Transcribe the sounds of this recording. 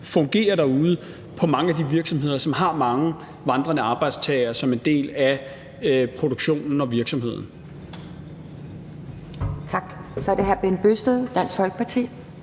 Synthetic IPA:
fɔ̽ŋɡ̥e̝̰ːɐɾɑ̈uːð̞ˠə | pʰɒ̽mɑ̈ŋəæd̥iʋiɐɡ̥sɒ̽mɦe̝ð̞̰ˠɐsɒ̽mɦɑ̈mɑ̈ŋə | ʋɑ̈nd̥ʁɐnəɑ̈ːb̥ɑ̈ɪd̥st͡sʰɛɪɐsɒ̽mend̥e̝̰ːlæ | pʰʁo̝d̥o̝ɡ̥ɕo̝̰ːnn̩ɒ̽ʋiɐɡ̥sɒ̽mhe̝ð̰ˠn̩ | t͡sʰɑ̈ɡ̥sɒ̽ɐɾ̥e̝ɦæɐ̰b̥enb̥øsd̥eðˠd̥æn̰sfɒ̽lɡ̥ə̥pʰɑ̈t͡sʰḭː

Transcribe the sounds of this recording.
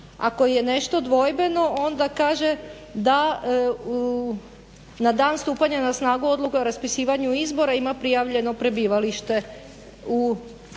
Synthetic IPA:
a̰ko̞jene̞ʃt̪o̞d̪ʋo̞jbe̞no̞ʔo̞nd̪akaːʒe | d̪a | nad̪aːnst̪uːpaɲanasnaːɡuo̞d̪lukeoɾaspisiːʋaɲuizbo̞ɾaimapɾijaʋʎe̞no̞pɾe̞biːʋaliʃt̪e̞ | u

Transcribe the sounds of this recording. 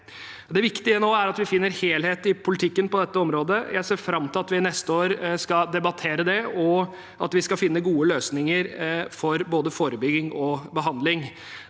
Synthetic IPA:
d̪ɛʋɪkt̪ɪənoːæɾɑt̪ʋɪfɪnːəɾheːlheːt̪ɪpʰʊlɪt̪ʰɪkːənpɔd̪ɛt̪ːəɔmɾoːd̪əjæ̰ɪseːɾfɾɑmːt̪ɪlɑt̪ʋɪnɛst̪əoːɾskɑd̪ɛbɑt̪ʰeːɾəd̪ɛɔ | ʔɑ̰t̪ʋɪskɑfɪnːəɡuːəløːsnɪŋəɾfɔɾboːd̪əfoːɾəbʏɡɪŋɔbəɦɑnd̪lɪŋ

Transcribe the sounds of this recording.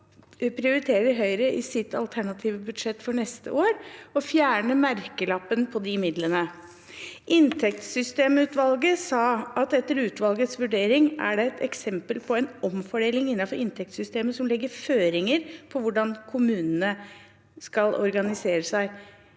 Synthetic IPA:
pʰɾɪʊɾɪt̪ʰeːɾəɾɦœʏɾəʔɪsɪt̪ːɑlt̪ʰæɳɑt̪ʰiːʋəbʉd̪ʂɛt̪ːfɔɳɛst̪ə̰ʔoːɾɔfjæːɳəmæɾkəlɑpːənpʰɔd̪ɪmɪd̪lənə | ʔɪnt̪ʰɛk̚t̪sʏst̪eːmʉːt̪ʋɑlɡəsɑːɑt̪ɛt̪ːəɾʉːt̪ʋɑlɡət̪sʋʉɖeːɾɪŋæ̰ɖɛɛt̪ʰɛksɛmpəlpʰɔɛnɔmfɔɖeːlɪŋɪnːɑfɔɾɪnt̪ʰɛk̚t̪sʏst̪eːməsɔmlɛɡːəɾføːɾɪŋəɾpʰɔʋʊɖɑnkʰʊmʉːnənə | skɑlʔɔ̰ɾɡɑnɪseːɾəsæɪ

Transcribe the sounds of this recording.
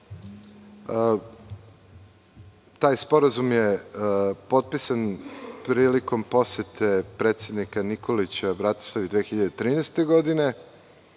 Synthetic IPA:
t̪aːjspo̞ɾazumje | po̞t̪̚pisanpɾiːliko̞mpo̞sjet̪ʰe̞pɾeːt̪sjed̪nikanikʰolit͡ɕabɾat̪o̥slˠaʋid̪ʋeːxiʎad̪et̪ɾiːnest̪e̞ɡo̞d̪ine̞

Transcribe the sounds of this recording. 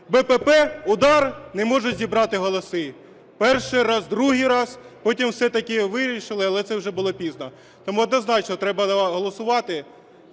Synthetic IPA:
bɛpɛpɛʊd̪ɑrnɛmɔʒʊzʲibɾɑt̪ɪɦɔlˠɔsɪ | pɛrʃɪjɾɑzd̪ɾuɦɪjɾɑzpɔtʲimwsɛt̪ɐkʲɪʋɪɾʲiʃɪlˠɪɐlˠɛt̪sɛwʒɛbʊlˠɔpʲiznɐ | t̪ɔmuɔd̪nɔznɑt͡ʃnɔt̪ɾɛbɐɦɔlˠɔsʊʋɑt̪ɪ

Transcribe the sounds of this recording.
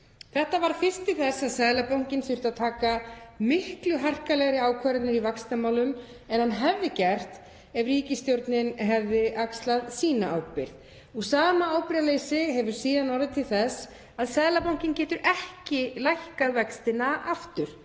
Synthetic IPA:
θɛht̪avaɾ̥fɪr̥st̪ːɪlθɛsaðsɛðlapawŋ̥cɪnfʏɾ̥t̪aðt̪ʰaːkamɪhklʏɦar̥kalɛɣɾɪaːwkʰaɾat̪nʏɾivakst̪amaːwlʏm | ɛnhanːɦɛvðɪcɛr̥t̪ | ɛvriːcɪst̪jowɾt̪nɪnɦɛvðɪʔakst̪laðsiːnaaːwpɪɾð | ɔɣsaːmaaːwpɪɾalejsɪɦɛvʏɾ̥siːðanɔɾðɪt̪ʰɪlθɛs | aðsɛðlapowŋ̥cɪncɛːt̪ʏɾʔɛhcɪlajhkaðvɛkst̪ɪnaʔaft̪ʏɾ̥

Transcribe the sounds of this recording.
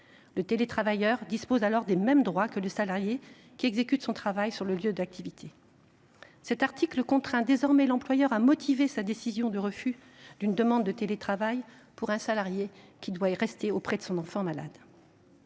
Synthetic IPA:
lət̪elet̪χavajœʁd̪ispozalɔʁd̪emɛmd̪ʁwakələsalaʁje | kʲiɛɡzekʲyt̪sɔ̃t̪χavajsyʁləljød̪ak̚t̪ʰivit̪ʰe | sɛt̪aʁt̪ʰikləkɔ̃t̪χɛ̃d̪ezɔʁmɛlɑ̃plwajœʁamɔt̪ʰivesad̪esizjɔ̃d̪əʁəfy | d̪̥ynd̪əmɑ̃d̪ːət̪elet̪χavaj | puʁɛ̃salaʁjekʲid̪waiʁɛst̪eopχɛd̪əsɔ̃nɑ̃fɑ̃mala̰d̪

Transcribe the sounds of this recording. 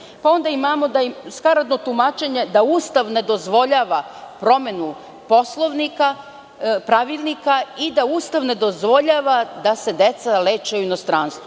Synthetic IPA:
pao̞nd̪aimamo̞d̪aiskaɾad̪no̞t̪umat͡ʃeɲe̞d̪auːst̪aʋne̞d̪o̞zʋo̞ʎaːʋapɾo̞me̞nu | po̞slˠoʋnika | pɾaʋilˠnikaid̪auːst̪aʋne̞d̪o̞zʋo̞ʎaːʋad̪ase̞d̪et̪saleːt͡ʃeouinost̪ɾaːnst̪vo

